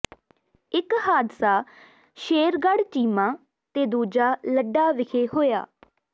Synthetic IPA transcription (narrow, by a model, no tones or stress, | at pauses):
ɪkhaːd̪saː | ʃeːɾɡəɽt͡ʃiːmãː | t̪eːd̪uːd͡ʒaːləɖːaːʋɪkʰeːhoːja̰ː